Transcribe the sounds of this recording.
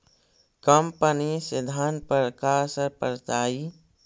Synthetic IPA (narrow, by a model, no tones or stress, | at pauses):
kəmpənisɪd̪ʱaːnpəɾkaːɾsəɾpəɾt͡ʃaːi